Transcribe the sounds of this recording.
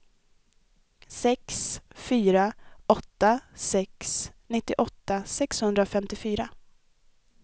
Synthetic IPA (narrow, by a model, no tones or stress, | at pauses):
sɛksfyːɾaʔɔt̪ːasɛksnɪt̪ːɪʔɔt̪ːasɛkshɵnd̪ɾafɛmt̪ɪfyːɾa